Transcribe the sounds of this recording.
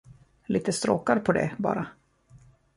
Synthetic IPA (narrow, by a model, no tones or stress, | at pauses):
lʔiːt̪əst̪ɾoːkaɾpʰɔd̪ɛ̰bɑ̰ːɾa